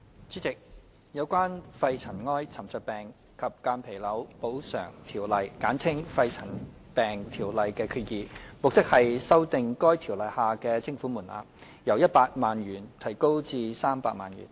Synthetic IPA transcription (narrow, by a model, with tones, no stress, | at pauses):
t͡syː˨˥t͡sɪ˨k̚ | jɐ˨˧wkʷaː˥nfɐ˧jt͡sʰɐ˨˩nŋɔː˥jt͡sʰɐ˨˩mt͡sœ˧pɛː˨ŋ | kʰɐ˨p̚kaː˧npʰe˨˩jlɐ˨˥wpo˨˥wsœ̰ː˨˩ŋt̪ʰiː˨˩wlɐ˨˩jkaː˨˥nt͡sʰɪ˥ŋfɐ˧jt͡sʰɐ˨˩n | pɛː˨ŋt̪ʰiː˨˩wlɐ˨jkɛː˧kʰyː˧t̚jiː˨mo˨k̚t̪ɪ˥k̚hɐ˨jsɐ˥wt̪ɪ˨ŋkɔː˥jt̪ʰiː˨˩wlɐ˨jhaː˨kɛː˧t͡sɪ˥ŋfuː˨˥muː˨˩nʔa̰ː˧˥ | jɐ˨˩wjɐ˥t̚paː˧k̚maː˨nɥyː˨˩nt̪ʰɐ˨˩jko˥wt͡siː˧saː˥mpaː˧k̚ma̰ː˨njy̰ː˨˩n